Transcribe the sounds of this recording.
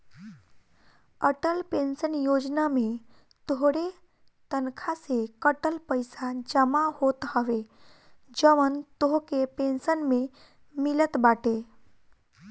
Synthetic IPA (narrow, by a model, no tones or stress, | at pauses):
əʈəlpẽnsənjod͡ʒnamẽ | t̪oɦɽe | t̪ənkʰasekəʈəlpəɪsad͡ʒəmaɦot̪ɦəʋe | d͡ʒəʋənt̪oɦkepensənme | mɪlət̪baʈe